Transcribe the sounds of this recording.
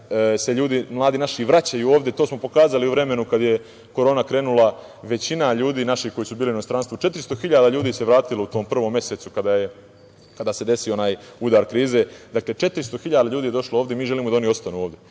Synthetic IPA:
se̞ʎuːd̪imlˠaːd̪iːnaʃiʋɾat͡ɕajuoːʋd̪jet̪oːsmo̞po̞kaːzaliuʋɾe̞me̞nukad̪je̞ | ko̞ɾo̞ːnakɾe̞ːnulˠa | ʋe̞t͡ɕinaʎuːd̪iːnaʃihko̞jisubiːlino̞st̪ɾanst̪ʋot͡ʃe̞t̪ɾist̪o̞xiʎaːd̪aʎuːd̪iːse̞ʋɾaːt̪ilout̪o̞ːmpr̩ʋo̞mːje̞seːt̪sukad̪aje̞ | kad̪ase̞d̪e̞sio̞naːjud̪aːɾkɾiːze̞d̪akle̞t͡ʃe̞t̪ɾist̪o̞xiʎaːd̪aʎuːd̪iːjed̪o̞ʃlˠaoːʋd̪jemiːʒeliːmoanio̞st̪anuːoːʋd̪ʲe̞

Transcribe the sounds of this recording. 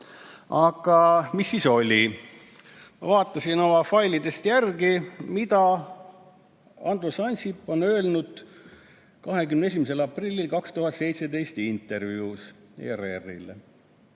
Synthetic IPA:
ɑɡ̥ɑmisːiːso̞lʲi | vɑːt̪ːˑɑsino̞mɑfɑjlid̪est̪jærɡimid̪ɑ | ɑnd̪ɾusɑnʲsipːo̞nø̞ːlnud̪̥ | kɑɦe̞kymnees̬imese̞lɑprilʲːilkɑkst̪uɦɑt̪se̞jt̪se̞d̪e̞jst̪int̪ːˑe̞ɾvjuːs | ḛɾḛrːḭle

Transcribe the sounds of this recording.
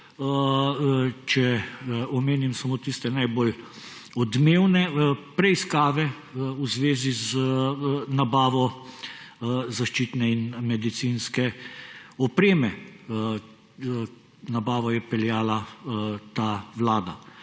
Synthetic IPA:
t͡ʃɛɔmeːnimsamoːt̪ist̪ɛnajbol | ɔd̪meːwnɛpɾɛiskaːʋɛ | uzʋeːziz | nabaːʋɔ | zaʃt͡ʃiːt̪nɛinmɛd̪it̪sinskɛ | ɔpɾeːmɛ | nabaːʋɔjɛpɛljaːlat̪aʋlaːd̪a

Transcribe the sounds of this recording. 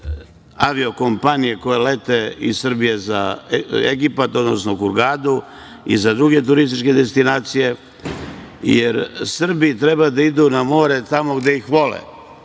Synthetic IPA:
aʋio̞ko̞mpanije̞ko̞jelet̪e̞issr̩bije̞za̰ḛɡipat̪o̞d̪no̞snokuɾɡaːd̪u | ḭzad̪ɾuɡe̞t̪̬uɾist̪it͡ʃke̞d̪e̞st̪inaːt̪sije̞ | jeɾsr̩biit̪ɾe̞bad̪aid̪unamo̞ːɾe̞t̪amo̞ɡd̪eixʋo̞lḛ

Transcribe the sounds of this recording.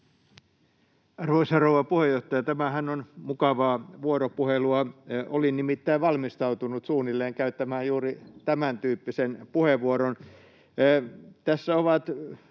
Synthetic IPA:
ɑrʋoisɑrouʋɑpuhejoht̪ɑjɑt̪æmæhænːonmukɑʋɑːʋuoropuheluɑʔolinimit̪ːæiʋʋɑlmist̪ɑut̪unut̪suːnilːeːŋkæyt̪ːæmæːjjuːrit̪æmænt̪yːpːisenpuheʋuoɾonː | t̪æsːæoʋɑt̪

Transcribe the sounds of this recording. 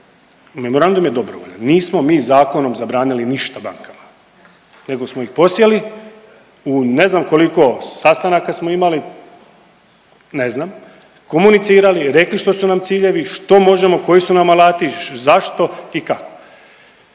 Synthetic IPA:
me̞mo̞ɾand̪umje̞d̪o̞bɾoʋo̰ʎanːiːsmo̞miːzaːko̞no̞mzabɾaːniliniʃt̪aba̰ŋkama | ne̞ɡo̞smoixpo̞sje̞li | une̞znamko̞liko̞sast̪anakasmo̞imali | ne̞znam | ko̞munit̪siːɾaliɾe̞kliʃt̪o̞sunamt̪siːʎe̞ʋiʃt̪o̞mo̞ʒe̞mo̞ko̞jisunamalaːt̪izaʃt̪o̞ikako̥

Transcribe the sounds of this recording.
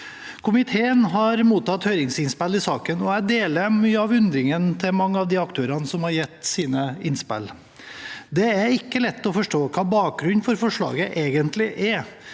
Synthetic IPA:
kʰʊmɪt̪ʰeːənɦɑɾmuːt̪ɑt̪hœʏɾɪŋsɪnspɛlɪsɑːkənɔæɪd̪eːləɾmyːəɑʋʉnd̪ɾɪŋənt̪ʰɪlmɑŋːəɑʋd̪ɪɑkt̪ʰøːɾɑnəsɔmhɑɾjɛt̪ːsiːnəɪnspɛ̰lː | d̪ɛæɾɪkːəlɛt̪ːɔfɔʂʈoːkʰɑːbɑːk̚ɡɾʉnːfɔɾfɔʂɭɑ̰ːɡəʔeːɡənt̪lɪʔɛ

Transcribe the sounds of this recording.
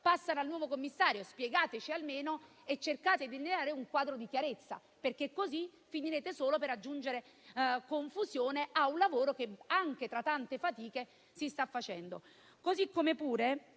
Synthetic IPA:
pasːanalnwɔːvokomːisːaːɾjospjeɡaːt̪et͡ʃialmeːno | et͡ʃːerkaːt̪ed̪ilneaːɾeuŋkwaːd̪ɾod̪ikjaɾet̪sːa̰ | perkekːozifiniɾeːt̪esoːlopeɾad͡ʒːund͡ʒeɾe | koɱfuzjoːneʔaunlavoːɾok̟eaŋk̟et̪ɾat̪ːant̪efat̪iːke | sist̪afːat͡ʃɛnd̪o | kozikːomepuːɾe

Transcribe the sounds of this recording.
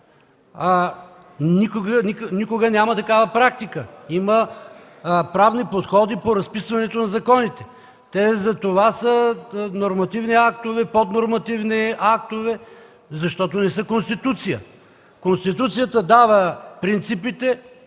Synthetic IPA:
a | nikoɡəniknikoɡənʲamɐt̪ɐkavɐpɾak̚t̪ikəimə | pɾavnipot̪xɔd̪ipoɾɐspisvɐnɛt̪onɐzɐkɔnit̪ɛ̥ | t̪ɛzɐt̪ovasənoɾmɐt̪ivniakt̪ovɛpod̪noɾmɐt̪ivniakt̪ovɛ | zɐʃt̪ɔt̪onɛsəkonst̪it̪ut̪sijə | konst̪it̪ut̪sijət̪əd̪avəpɾint̪sipit̪ɛ

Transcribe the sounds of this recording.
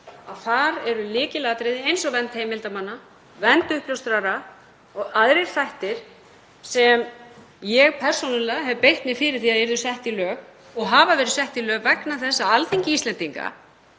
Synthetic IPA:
aðθaɾɛɾʏlɪːcɪlaːat̪ɾeðɪejnsɔvɛnt̪hejmɪlt̪amanːa | vɛnt̪ʏhpljowst̪ɾaɾa | ɔɣaðɾeɾ̥θajht̪ɪɾ̥ | sɛm | jɛɣpʰɛr̥sonʏlɛɦɛvʏpejht̪mɪfɪːɾɪɾ̥θiaðeɾðʏsɛht̪ilœːk | ɔɣɦaːvavɛːɾɪðsɛht̪ilœːkvɛknaθɛsːaalθiɲcɪist̪lɛnt̪iŋka̰

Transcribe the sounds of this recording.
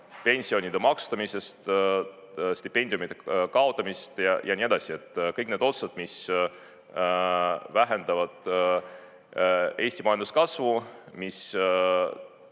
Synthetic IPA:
pe̞nʲsio̞nʲid̪̥e̞mɑkst̪ɑmise̞st̪ | st̪ipːe̞nʲd̪ijumid̪̥ekɑo̞t̪ˑːɑmist̪jɑjɑnʲie̞d̪ɑsie̞t̪ːˑkɤjkne̞d̪o̞t̪sɑd̪̥mis | væɦe̞nd̪ɑvɑd̪̥ | e̞ːsʲt̪imɑjɑnd̪uskɑsvumis

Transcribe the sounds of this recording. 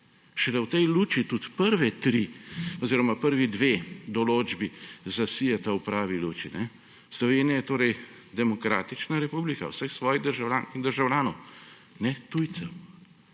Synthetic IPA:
ʃɛlɛwt̪ɛjluːt͡ʃit̪ut̪pəɾʋɛt̪ɾiɔziːɾɔmapəɾʋid̪ʋed̪ɔloːd͡ʒbizasijɛt̪awpɾaːʋiluːt͡ʃinʔɛ | slɔʋeːnijajɛt̪oːɾɛj | d̪ɛmɔkɾa̰ːt̪it͡ʃnaɾɛpublika̰wsəxsʋɔːjid̪əɾʒawlʲaːnkiɣd̪əɾʒawlʲjaːnɔw | nɛt̪ujt̪sɛw

